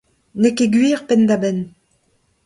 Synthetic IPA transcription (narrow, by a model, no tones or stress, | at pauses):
nekeɡɥiːʁpɛnd̪abɛn